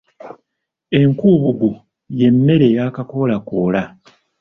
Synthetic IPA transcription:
e̞ŋkuːβuɡu | je̞mːe̞ɾe̞ːjaːkako̞lakoːla

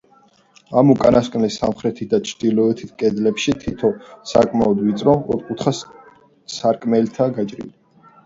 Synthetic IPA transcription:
amukʼanaskʼnlisa̰mχɾɛt̪ʰit̪̚ʰd̪at͡ʃʰɾd̪ilɔɛt̪ʰit̪ʰkʼɛd̪lɛpʃit̪ʰit̪ʰɔsa̰kʼmaɔd̪wit̪sʼɾɔɔ̰ɾkʼut̪ʰχas | saɾkʼmɛlt̪ʰaɡat͡ʃʼɾḭli

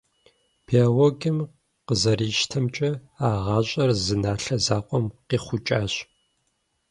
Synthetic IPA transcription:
pʰeawoɡɨm | qəzɐɾiːʃtʰɐmt͡ʃʼɐ | aːʁɑːɕʼɐrzɨnaːɬɐzaːqʷʼɔmqiːχʷʊt͡ʃʼaːɕ

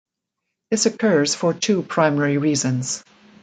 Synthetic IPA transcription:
ðɪsɨkʰɜ˞z̥fə˞tʰuːpʰɹ̥ãɪ̃mɛɹiɹiːzə̃nz̥

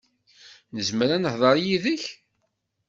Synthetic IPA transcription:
nəzməɾænəhðˤəɾˤjiðəç

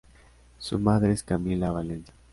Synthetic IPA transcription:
sṵmaðɾeeskamilaβalensḁ

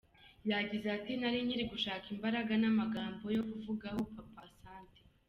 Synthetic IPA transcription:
jaɟizeatinaɾiɲiɾiɡuʃaːkimbaɾaɡanamaɡaːmbo̞jo̞kuvuɡahopapasaːnti̥

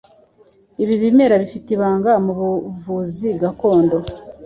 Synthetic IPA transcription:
iβiβime̞ɾaβifitiβaːŋɡamuβuvuziɡako̞ːndo̞

